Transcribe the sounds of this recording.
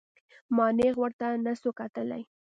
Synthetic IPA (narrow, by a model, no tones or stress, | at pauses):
mɑneɣwəɾt̪anasokat̪əla̰j